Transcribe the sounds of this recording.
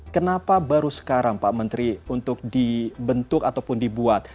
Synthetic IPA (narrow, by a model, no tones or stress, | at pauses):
kənapabaɾusə̥kaɾaŋpamənt̪ɾiunt̪ʊk̚dibənt̪ʊkat̪awpʊndibuat̪̚